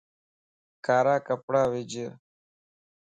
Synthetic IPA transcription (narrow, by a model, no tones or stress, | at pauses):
kaːɾaːkəpɽaːʋɪd͡ʒ